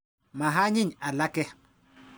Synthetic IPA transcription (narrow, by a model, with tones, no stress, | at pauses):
ma˨ɦa˦ɲi˦ɲa˨la˦kɛ˦